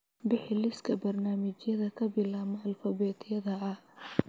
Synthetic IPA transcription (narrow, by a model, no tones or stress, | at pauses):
bɪħɪlɪskʰɐbɐrnaːmɪt͡ʃjɐðɐkʰɐbɪlaːmɔɐlfɐbɛːt̪jɐðɐɐ